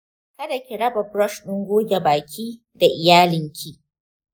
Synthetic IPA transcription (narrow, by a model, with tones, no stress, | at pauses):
kɐ˦da˨kʲɪ˨ɽɐ˦bɐ˨bɾɔ˦ʃɗʊ˦ŋɡʷoː˦ɡʲe˨baː˨kʲʰiː˦ | da˨ʔɪ˨jaː˦lɪ˨ŋkʲʰiː˦ʔ